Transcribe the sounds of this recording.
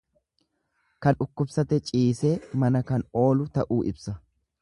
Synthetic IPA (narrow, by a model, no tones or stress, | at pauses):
kɐnʊkːʊbsɐt̪ɛt͡ʃʼiːseːmɐnɐkɐno̞ːlʊt̪ɐʔuːʔɪ̰bsɐ